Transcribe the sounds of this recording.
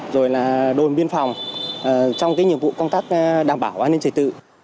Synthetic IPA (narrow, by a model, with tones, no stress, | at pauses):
zo˨˩jlaː˨˩ɗo˨˩nɓi˧ənfa˨˩wŋ͡mʔəː˨˩t͡ɕɔ˧wŋ͡mkaː˨˦jɲi˨˩əmvṵ˧˨kə˧wŋ͡mt̪aː˦˥k̚ɗaː˨˩mɓaː˧˩wʔaː˧ne˧nt͡ɕəː˨˩jt̪ɨ̰˧˨